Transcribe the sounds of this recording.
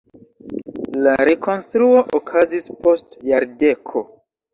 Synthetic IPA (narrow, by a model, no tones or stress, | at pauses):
laɾekʰo̞nstɾuoʔokʰazispo̞stjaɾde̞kʰo̞